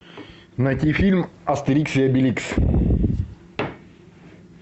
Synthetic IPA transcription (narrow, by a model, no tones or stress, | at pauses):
nɐt̪ʲifʲilʲmɐst̪ɨɾʲiksʲiɐbʲilʲiks